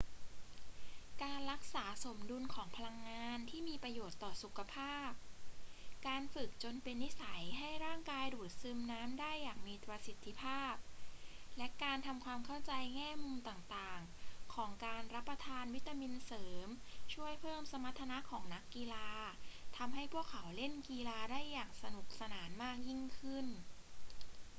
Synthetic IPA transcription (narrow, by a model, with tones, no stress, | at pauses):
kaː˧nɾa˦˥k̚saː˩˦so˩˦mdu˧nkʰɔː˩˦ŋpʰa˧la˧ŋːaː˧nt̪ʰiː˥˩miː˧pɾa˧joː˨˩t̪ːɔː˨˩su˨˩kʰa˧pʰaː˥˩p̚ | kaː˧nfɯ˨˩k̚t͡ɕo˧npe˧nːi˦˥sa˩˦jɦa˥˩jɾaː˥˩ŋkaː˧jduː˨˩t̪̚sɯː˧mnaː˦˥mdaː˥˩jːaː˨˩ŋ̚miː˧t̪ɾa˧si˨˩t̪ʰːi˧˥pʰaː˥˩p̚lɛ˦˥kaː˧nt̪ʰa˧mkʰwaː˧mkʰa˥˩wt͡ɕa˧jŋɛː˥˩muː˧mt̪aː˨˩ŋt̪aː˨˩ŋ | kʰɔː˩˦ŋkaː˧nɾa˦˥pːɾa˧t̪ʰaː˧nwi˦˥t̪ːa˧mi˧nsɤː˩˦mt͡ɕʰu˥˩əjpʰɤː˥˩msa˧ma˦˥t̪ʰːa˧na˦˥kʰɔː˩˦ŋna˦˥kːi˧laː˧t̪ʰa˧mɦa˥˩jpʰu˥˩əkʰːa˩˦wle˥˩nkiː˧laː˧daː˥˩jːaː˨˩ŋ̚sa˧nu˨˩k̚sa˧naː˩˦nmaː˥˩k̚ji˥˩ŋkʰɯ˥˩n